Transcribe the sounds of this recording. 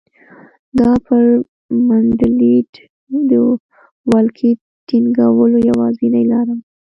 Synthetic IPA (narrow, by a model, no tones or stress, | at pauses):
d̪ɑpəɾ | maɖliɖ | d̪ə | wɑlkʰi | ʈiŋɡawəlojawɑzinajlɑɾa